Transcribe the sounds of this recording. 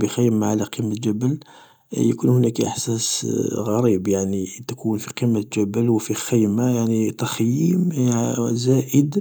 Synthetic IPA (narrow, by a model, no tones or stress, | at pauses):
bixæjəmːaʕalæqimət̪ʒæbəl | jəkunhʊnækʔə̰ħsæsɣæɾˤibjaʕnit̪ækʰunfiqimːət̪ʒæbəlwfixæjmajaʕnit̪ɑxjim | zæʔəd̪